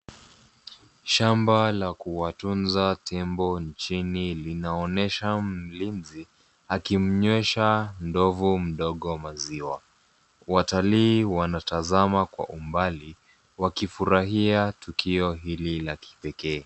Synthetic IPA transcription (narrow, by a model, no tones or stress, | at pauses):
ʃambalakuwatunzatʰɛmbɔnt͡ʃinilinaɔnɛʃam̩linzi | akim̩ɲwɛʃandɔvum̩ɗɔɠɔmaziwa | wataliːwanatazamakwa̰ʔumbali | wakifuɾaɦiatukiɔɦililaki̥pɛkɛː